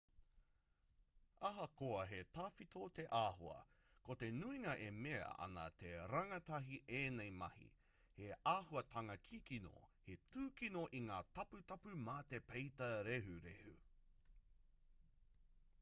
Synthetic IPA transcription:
ɐɦɐkoɐɦetaːfit̪ʰot̪e̞ʔaːɦoɐ̰ | kot̪e̞nuiŋɐʔemeɐ̰ɐ̰nɐ̰t̪eɾɐŋɐtɐɦiʔeːnejmɐhḭ | heaːhuɐtʰɐŋɐkʰikino̰hetʉːkinoʔiŋaːtɐpʉtɐpʉmaːt̪epejtɐɾeɦʉɾehʉ̰

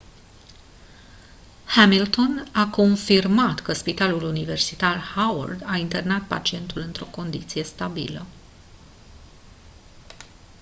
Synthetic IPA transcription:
hamilt̪o̞nako̞nfirmat̪kəspit̪alulunive̞rsit̪arhawə̰rd̪aint̪e̞rnat̪̚pa̰t͡ʃie̞nt̪ulɨnt̪ɾo̞ko̞nd̪it̪sije̞st̪abḭlə

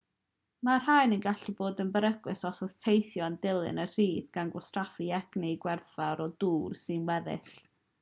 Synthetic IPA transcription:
mar̥hajnənɡaɬiboːdənbəɾəɡ̥wɨsɔsʊθtʰejθjɔəndɪlˠɨ̰nər̥iːðɡ̥anɡwɔstrafiɛɡ̥nɪɡwɛrθvaɾɔduːrsɨnwɛðɪ̰ɬ

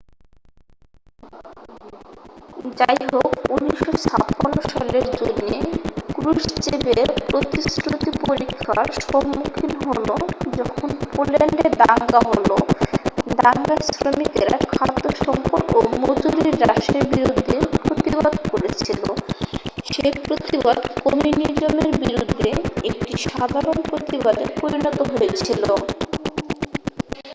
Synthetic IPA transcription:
d͡ʑajɦokunːiʃot͡ɕʰa̰t̪panːoʃaleɾd͡ʑonːekɾuʃt͡ɕebeɾpɾot̪isɾut̪ipoɾikʰaɾʃɔmːukʰinɦolod͡ʑɔkʰonpoleɳɖed̪aŋɡaɦolo | d̪aŋɡasɾomik̪eɾa̰kʰad̪ːoʃɔmpoɾomod͡ʑuɾiɾːaʃebiɾud̪ʱːepɾot̪iβad̪koɾet͡ɕʰilo | ʃepɾot̪ibad̪komunid͡ʒomeɾbiɾud̪ʱːeek̚ʈiʃad̪ʱaɾonpɾot̪ibad̪epoɾinɔt̪oɦoet͡ɕʰilo

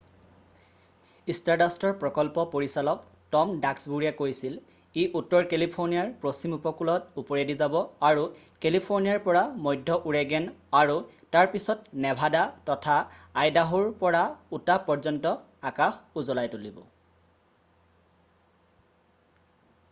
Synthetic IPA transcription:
istaɹdastɔɹpɹɔkɔlpɔpoɹisalɔk̚ | tɔmdaksbuɹijakojsil | iʔutːɔɹkelipʰoɹniaɹpɹosimupɔkulɔtupɔɹedizabɔaɹukelipʰoɹnijaɹpɔɹamɔjdʱːɔʔuɹɛɡɛnaɹu | taɹpisɔtnɛbʱadatɔtʰaːjdaɦuɹpɔɹautapɔɹzɔntɔ | akaxuzɔlajtulibɔ̰

